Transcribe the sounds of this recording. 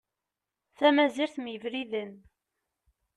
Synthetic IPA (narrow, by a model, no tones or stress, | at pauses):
θæmæziɾθmjəvɾiðən